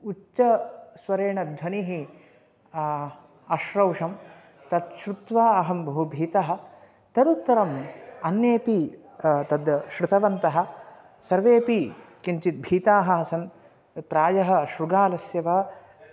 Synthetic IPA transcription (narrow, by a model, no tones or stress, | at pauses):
ut͡ʃɐsʋɐɾeːɳɐd̪ʱʋɐniɦi | ɐʃɾɐwʂɐm | t̪ɐt̪ʃɾut̪ʋaːɐɦɐmbʱɐɦubʱiːt̪aɦɐ̆ | t̪ɐd̪ut̪ːɐɾɐmɐnjeːpi | t̪ɐd̪ʃɾut̪ʰɐʋɐnt̪ɐɦɐ̆ | sɐɾʋeːpikiɲt͡ʃit̪̚bʱiːt̪aːɦɐɐsɐn | pɾaːjɐɦɐ̆ʃɾuɡaːlɐsjɐʋa